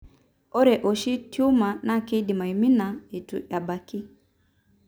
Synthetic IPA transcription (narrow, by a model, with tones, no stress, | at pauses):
ɔ˦ɾɛ˨ʔo˨ʃi˦tju˦ma˨na˦ke˦di˨ma˨i˨mi˦nːa˨e˨tṵ˨ʔa˨ba˨kːi˦